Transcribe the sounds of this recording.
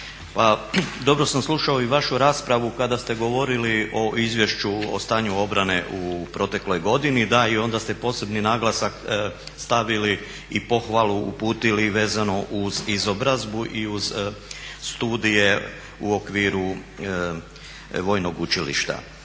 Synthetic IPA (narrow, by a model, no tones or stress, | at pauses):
pad̪o̞bɾo̞samslˠuʃao̞iʋaʃuɾaːspɾaʋukad̪ast̪e̞ɡo̞ʋo̞ɾiliʔo̞ʔizʋje̞ʃt͡ʃuo̰st̪aːɲuo̞bɾane̞ʔupɾo̞t̪e̞klo̞jɡo̞d̪inid̪aio̞nd̪ast̪e̞po̞ːse̞bninaːɡlˠasak | st̪aʋili | ipo̞xʋalˠuṵpuːt̪iliʋe̞ːzano̞ʔuzizo̞bɾazbuʔiuz | st̪uːd̪ije̞ | uo̞kʋiːɾu | ʋo̞ːjno̞ɡut͡ʃilḭʃt̪a̰